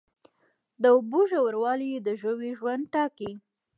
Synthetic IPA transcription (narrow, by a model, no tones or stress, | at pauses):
d̪əʊboʒawəɾwɑlijed̪əʒəwiʒwand̪̚ʈɑki